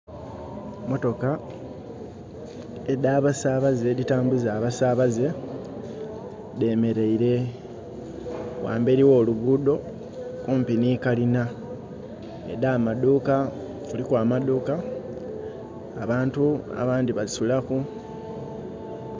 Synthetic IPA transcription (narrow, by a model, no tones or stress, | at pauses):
mo̞to̞ka | edaːβasaβaze̞ditaːmbuzaːβasaβaze̞ | de̞ːme̞ɾe̞iɾe̞ | wa̰ːmbeɾiwo̞ːluɡudo̞ | kuːmpiniːkalina | ḛdaːmaduːka | kulikwaːmad̪uːka | βaːntua̰βaːndiβaisulaku